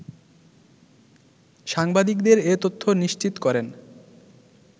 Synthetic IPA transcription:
ʃaŋbad̪ikd̪eɾet̪ot̪ʰːoniʃt͡ɕit̪kɔɾen

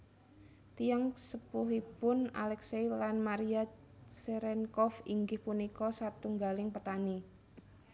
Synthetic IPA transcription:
t̪ijaŋsəpuɦipʊna̰lɛksejlanmaɾia | seɾɛnkɔfiŋɡɪhpunikɔsat̪uŋɡalɪŋpət̪ani

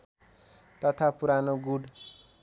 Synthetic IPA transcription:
t̪ʌt̪ʰapuɾanoɡuɖ

